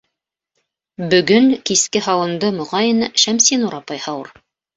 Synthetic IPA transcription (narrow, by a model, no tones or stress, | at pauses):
bɵ̆ɡɵŋkiskɘɦɑwɤ̆nd̪ɤmŏʁɑjɤnʃæmsinuɾɑpɑjhɑwɤɾ